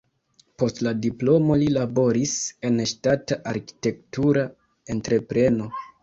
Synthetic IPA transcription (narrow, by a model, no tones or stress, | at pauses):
po̞stladiplo̞mo̞lilabo̞ɾise̞nʃtataʔaɾki̥te̞ktuɾa | e̞ntɾe̞pɾe̞no̞